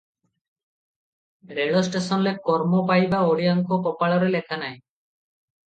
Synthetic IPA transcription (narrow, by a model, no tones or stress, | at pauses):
ɾeɭɔsʈesɔnlekɔɾmɔpajbaoɽiaŋkopɔpaɭɔɾelekʰanaj̃